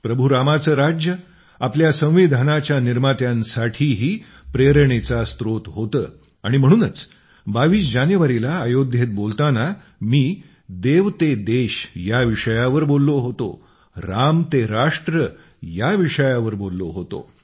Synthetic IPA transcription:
pɾəbʱuɾamat͡səːɾad͡ʑjə | apljasə̃w̃ʋid̪ʱanat͡ɕjaniɾmat̪jãnsaʈʰiːɦiː | pɾeɾəɳ̃et͡sast̪ɾot̪ɦot̪əː | aɽ̃im̤əɽ̃uːnət͡s | baʋiːsd͡ʑanjəʋaɾilaːjod̪ʱjet̪̚bolt̪ana | miː | d̪eʋt̪ed̪eɕjaʋiʂəjaʋəɾbolːoɦot̪o̰ | ɾamt̪eɾaʂʈɾə | jaʋiʂəjaʋəɾbolːoɦot̪o̰

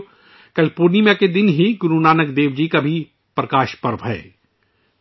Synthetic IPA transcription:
kɐlɪfoːɾnimẽked̪ɪnɦiɡʊɾunaːnəɡd̪eːʋd͡ʒikabʱi | pɾɐkaːʃpɐɾʋɦɛ̰ː

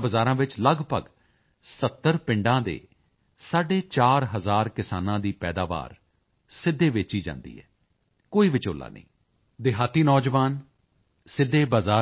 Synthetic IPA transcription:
bəzaːɾãːʋɪt͡ʃləɡpəɡ | sət̪ːəɾpɪ̃ɳɖãːd̪ḛː | saːɖeːt͡ʃaːɾɦəzaːɾkɪsaːnãːd̪iːpɛːd̪aːʋa̰ːɾ | sɪd̪ːeːʋɪːt͡ʃiːd͡ʒã̰ːnd̪ḭːɛ̰ː | koːiːʋɪt͡ʃoːla̰ːnə̰ḭ̃ː | d̪ɪɦaːt̪ːiːnɔːd͡ʒʋaːn | sɪd̪ːeːbazaː

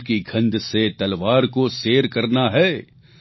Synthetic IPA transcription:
kiɡʱɐ̃nd̪set̪ɐlʋaːɾkoseːɾkɐɾnaɦɛː

